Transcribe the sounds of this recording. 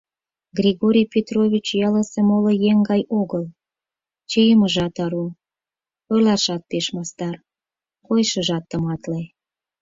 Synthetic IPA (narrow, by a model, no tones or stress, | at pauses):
ɡrʲiɣoɾʲijpʲet̪rovʲit͡ɕjɑləsemolojeŋɡɑjoɣəl | t͡ɕejəməʒɑt̪ɑɾu | ojlɑʃɑt̪̚ːeʃmɑst̪ɑr | kojʃəʒɑt̪ːəmɑt̪le